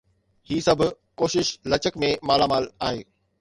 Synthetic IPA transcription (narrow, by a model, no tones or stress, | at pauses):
hiːsɐbʱ | koːʃɪʃlɐt͡ɕəkmẽmaːlamaːlaːɦḛː